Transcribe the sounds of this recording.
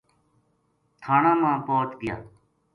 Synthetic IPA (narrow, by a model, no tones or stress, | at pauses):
t̪ʰaːɳãːmãːpoːt̪ɡɪja̰ː